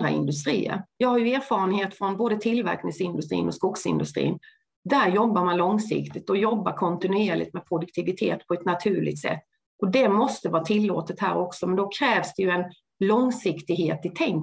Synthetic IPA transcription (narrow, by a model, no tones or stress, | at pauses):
ɾa̰ɪ̰nd̪ɵst̪ɾḭːə̰ɾjɑːɡhaɾjɵeːɾfɑːɾənheːt̪fɾɔnboːd̪ət̪ʰɪlvæ̰ɾknɪŋsɪnd̪ɵst̪ɾḭːnɔskʊksɪ̰nd̪ɵst̪ɾḭːn | d̪æɾjɔbːaɾmanlɔŋsɪ̰kt̪ɪt̪ɔjɔbːaɾkʰɔnt̪ɪnʉeːɭɪ̰t̪mɛpʰɾʊd̪ɵk̚t̪ʰɪvɪt̪ʰḛːt̪pʰɔɛt̪nat̪ʰʉ̟ːɭɪ̰ɡ̚t̪sɛ̰t̪ː | ʔɔd̪ɛmɔst̪əvɑːt̪ʰɪlːoːt̪ət̪hæːɾɔksɔmɛnd̪ɔkʰɾɛːvsd̪ɛjɵɛn | lɔŋsɪkt̪ɪɡheːt̪ɪt̪ʰɛŋ